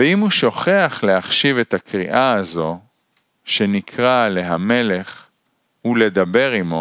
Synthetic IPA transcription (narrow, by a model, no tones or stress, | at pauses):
veimhuʃo̞χeaχle̞aχʃive̞t̪hakʁḭʔaːzo̞ | ʃe̞nikʰʁale̞ɦame̞le̞χ | hule̞d̪abe̞ʁimo̞